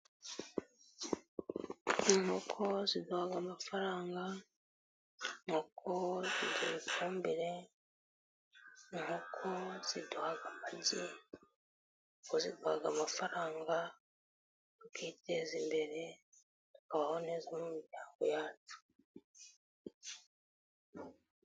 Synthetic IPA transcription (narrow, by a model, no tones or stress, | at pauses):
iŋhokʰo̞ziduhaɡamafaɾaːŋɡa | nukʰo̞zḭd̪uɾufuːmbiɾe̞ | iŋhokʰoz̥iduhaɡamaɟi | koziduhaɡamafaɾaːŋɡa | ukiːtʰe̞ːzimbe̞ɾe̞ | tu̥kaβaho̞ne̞ːzamumiɾɟaːŋɡo̞jaːt͡ʃu̥